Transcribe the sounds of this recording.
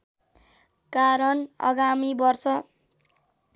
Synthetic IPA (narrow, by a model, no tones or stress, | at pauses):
kaɾʌnʌ̰ɡamibʌrsʌ